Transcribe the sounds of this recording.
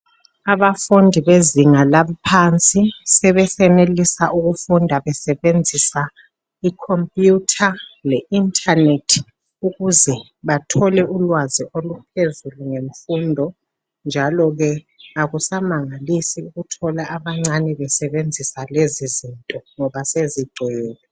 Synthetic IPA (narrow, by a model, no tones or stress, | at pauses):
aβafundʱiβeziŋalapʰant͡sʼisɛβɛsɛnelisaʔuɣufundʱaβɛsɛβend͡zʱisa | ikʰompʼjutʰalɛintʼʰanetʰ | uɣuzɛ | βatʰɔlɛʔulwaziʔolupʰezuluŋeɱfundʱɔ | nd͡ʒʱalɔɣɛ | aɣusamaŋalisiuɣutʰɔlaʔaβaŋ͡ǀanɛβɛsɛβend͡zʱisalezizintʼɔŋɔβaseziɡ͡ǀʱɛːlɛ